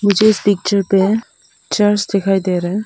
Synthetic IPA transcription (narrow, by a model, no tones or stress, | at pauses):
mʊd͡ʒʱeɪspik̚t͡ʃəɾpe | t͡ʃəɾsd̪ekʰaːjd̪eɾɛ